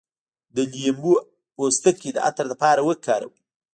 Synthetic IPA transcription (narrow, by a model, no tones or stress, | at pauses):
d̪əlijembu | ost̪əked̪əʔa̰t̪aɾd̪əpɑɾawəkʰɑɾa̰wi